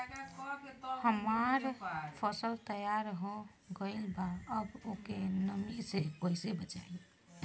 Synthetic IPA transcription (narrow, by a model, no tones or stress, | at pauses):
həmaɾpʰəsəlt̪əjaɾɦõ | ɡəɪlbaəbokenəmisekoisebət͡ʃa̰i